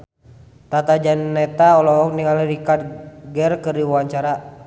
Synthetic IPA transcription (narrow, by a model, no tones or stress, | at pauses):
t̪at̪ad͡ʒanːɛt̪aɔlɔɔk̚niŋaliɾikad̚ɡɛrkəriwuaɲt͡ʃaɾa